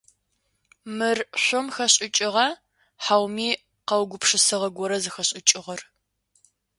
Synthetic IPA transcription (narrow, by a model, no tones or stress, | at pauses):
mɨrɕʷʊmxɐɕʼɪt͡ʃʼɪʁɐ | ħaːwmiː | qɐwɡʷʊpʂɨsɨʁɐɡʷɔɾɐzɨxɐɕʼɪt͡ʃʼɪʁɐr